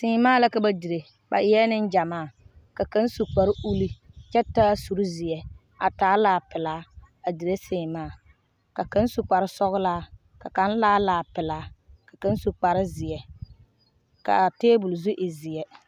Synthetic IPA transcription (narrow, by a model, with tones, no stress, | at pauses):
sɪː˨˦maː˦˨la˦ka˨ba˦di˨ɾe˨ | ba̰˨ʔɪ˨jɛ˦nɪ˦nd͡ʒa˨maː˦˨ka˨ka˦n˦su˨k͡pa˨ɾɪ˦ʔu˦li˦ | t͡ʃɛ˦ta˦su˨ɾʊ˦zɪ˨jɛ˨ | a̰˨taː˦laː˨pɪ˨laː˦ | a˨di˨ɾe˦seː˨maː˦˨ | ka˨ka˦n˦su˨k͡pa˨ɾɪ˦sɔ˦ɣʊ˦laː˦ | ka˨ka˨˦n˦laː˦laː˨pɪ˨laː˨˦ka˨ka˨˦n˦su˨k͡pa˨ɾɪ˦zɪ˨jɛ˨ | ka̰˨teː˦bʊ˨lzʊ˦ʔɪ˨zɪ˨jɛ˦